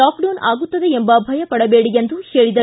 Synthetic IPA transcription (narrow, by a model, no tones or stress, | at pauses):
aːkɖɐːnaːɡut̪ːɐd̪eembɐbʱɐjɐpɐɽɐbeːɽijend̪uheːɭid̪ɐ